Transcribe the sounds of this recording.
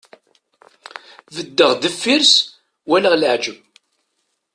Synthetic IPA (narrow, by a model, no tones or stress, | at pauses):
vəd̪ːəʁd̪əfːiɾs | wælaʁlʕd͡ʒəb